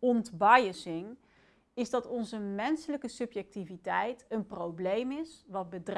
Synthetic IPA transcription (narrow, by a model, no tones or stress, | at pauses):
ɔntbɑjəsɪŋ | ɪzdɑtɔnzəmɛnsələkəsɵpjɛk̚tivitɛjtənprowblejmɪsʋɑd̚bədr